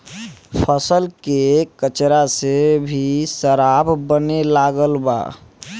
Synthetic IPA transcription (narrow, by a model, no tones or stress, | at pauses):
pʰəsəlkekət͡ʃɾasebʱisəɾabbənelaɡəlba̰